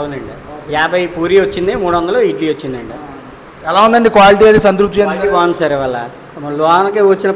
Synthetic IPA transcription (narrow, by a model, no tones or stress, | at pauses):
ɐund̪ɐɳɖi | jaːbʱɐjpuːɾiʋɐt͡ʃːind̪emuːɽuʋɐnd̪ɐloːiʈliːʋɐt͡ʃːind̪ɐɳɖi | ɛlaːund̪ɐɳɖikʋaːliʈ̬iːɐd̪esɐnt̪ɾup̚t̪it͡ʃeːnɐaːnsɐɾiʋɐlːɐ̰ | mɐlɔːɐnɐkeʋɐt͡ʃːinɐ